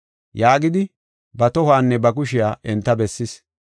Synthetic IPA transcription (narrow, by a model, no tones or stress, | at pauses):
jaːɡɪd̪ɪ | bɐt̪ɔhaːnːɛbɐk̬ʊʃɪjaːʔɛnt̪ːɐbɛsːɪs